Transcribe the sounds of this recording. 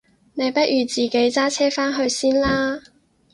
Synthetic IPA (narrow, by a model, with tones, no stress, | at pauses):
ne˨˧jpɐ˥t̚ʔyː˨t͡siː˨˩ke˨˥jt͡saː˥t͡sʰɛː˥faː˥nɦɵ˧ɥsiː˥nlaː˥